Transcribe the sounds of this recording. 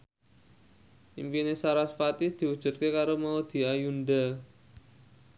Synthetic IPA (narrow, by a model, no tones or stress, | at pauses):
ʔimpinesaɾasfat̪id̪̥i̤wud̥ʒ̥ṳt̪̚kekaɾomaud̪̥i̤ajund̪a